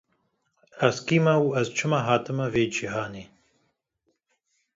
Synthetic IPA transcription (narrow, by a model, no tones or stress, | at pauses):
ɐzkiːmɐwuɐzt͡ʃʰɨmɐɦaːt̪ɨmɐveːd͡ʒiɦaːneː